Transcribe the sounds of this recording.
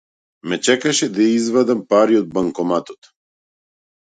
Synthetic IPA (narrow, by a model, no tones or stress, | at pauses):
mɛt͡ʃɛkaʃɛd̪ajaizvad̪ampaɾiɔd̪̚baŋkɔmat̪ɔt̪